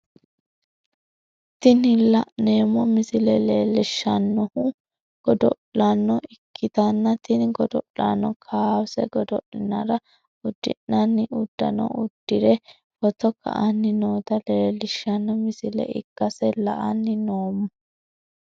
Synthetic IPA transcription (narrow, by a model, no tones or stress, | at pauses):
t̪ɪnɪlɐʔneːmɔmɪsɪlɛleːlɪʃːɐnːɔhʊ | ɡ̥ɔd̪ɔ̰ʔɐnːɔɪkʰːɪt̪ɐnːɐt̪ɪnɡɔd̪ɔʔla̰nːɔkʰaːwsɛɡɔd̪ɔʔɪnɐɾɐ | ʊd̪̥ːɪ̰nːɐnːɪʔʊd̪̥ːɐ̰nɔ̰ʊd̪̥ːɪɾɛ | fɔt̪ɔkɐ̰ʔɐnːɪnoːt̪ɐleːlɪʃːɐnːɔmɪsɪlɛ̰ɪ̰kːɐsɛlɐʔɐnːɪnoːmʊ